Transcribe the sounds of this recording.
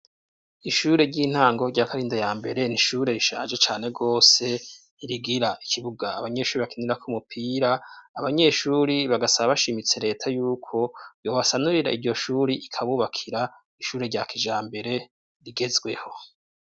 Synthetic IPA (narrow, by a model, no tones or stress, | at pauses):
iʃuːɾe̞ɾɟiːn̥haːŋɡo̞ɾɟaːkaɾiːndajaːmbe̞ɾe̞niʃuɾe̞ɾiʃa̰ːnʒe̞t͡ʃaːne̞ɡo̞ːse̞ | iɾiɡiɾaikʰiβuɡaːβaɲe̞ʃuːɾiβakiniɾakumupʰiːɾaːβaɲe̞ʃuːɾiβaɡasaβaβaʃiːmit͡seɾe̞ːtʰajuːkʰo̞jo̞ːβasanuɾiɾaiɾɟo̞ʃuːɾiikʰaβuβakʰiɾa | iʃuːɾe̞ɾɟaːkʰiʒaːmbe̞ɾe̞ | ɾiɡe̞zɡwe̞ho̞